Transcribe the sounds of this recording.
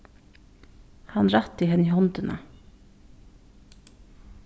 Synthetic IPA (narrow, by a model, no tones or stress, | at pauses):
hɑnɾɑt̪iːhɛnɪhɔnd̪ənʔə̰